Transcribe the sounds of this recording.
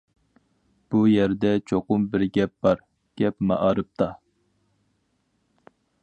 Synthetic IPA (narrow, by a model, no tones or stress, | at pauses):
b̥ujɛɾd̪ɛt͡ʃʰoqʊmbɪɾɡʲɛp̚b̥ɑɾ | ɡ̥ʲɛpmɑʔɑɾɨp̚t̪ʰɑ